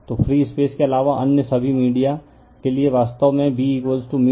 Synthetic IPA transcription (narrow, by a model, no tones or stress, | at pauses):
t̪oːfɾiːspeːskeɐlaːʋaʔɐ̰njəsɐbʱimiːɖija | kelieʋaːst̪əʋmẽbiːkʋoːlsʈumi